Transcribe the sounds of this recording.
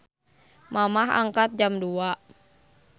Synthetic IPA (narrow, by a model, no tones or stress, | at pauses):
mamaɦa̰ŋkat̪̚d͡ʒamdua